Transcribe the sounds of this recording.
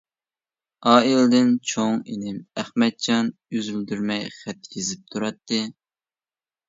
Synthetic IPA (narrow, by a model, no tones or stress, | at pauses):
ɑːilɨd̪ɪnt͡ʃʰoŋinɪmæχmɛt̪̚t͡ʃɑnjyzyld̪yɾmɛjχɛt̪ːkʲʰezɪp̚t̪ʰuɾɑt̪ːɨ